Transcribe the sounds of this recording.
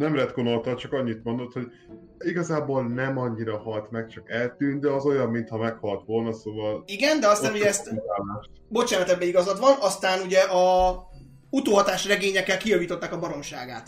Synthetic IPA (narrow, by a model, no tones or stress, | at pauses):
nɛmrɛt̪ɡonolt̪ɒlt͡ʃɒkɒɲːit̪mo̞nd̪o̞t̪ho̞ɟ | iɡɒzaːbo̞lnɛmɒɲːiɾɒhɒlt̪mɛk̚t͡ʃɒkɛlt̪yːnd̪ɛɒzo̞jɒmːint̪hɒmɛkhɒlt̪ʋo̞lnɒsoːvɒliɡɛnd̪ɛɒst̪aːnoɟɛɛst̪aːlaːʃt̪bo̞t͡ʃaːnɒt̪ɛbːɛiɡɒzɒt̪ʋɒnɒst̪aːnuɟɛʔɒ | ut̪oːɦɒt̪aːʃrɛɡeːɲɛkːɛlkijɒviːt̪o̞t̪ːaːkɒbɒɾo̞mʃaːɡaːt̪